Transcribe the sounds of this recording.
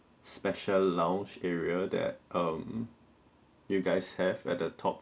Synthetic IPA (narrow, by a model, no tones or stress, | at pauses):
spɛʃəlːãʊ̃nt͡ʃɛɹiədɛ̰t̚ʔʌ̃m | juɡaɪshɛvɛ̰t̚dətʰɔ̰p̚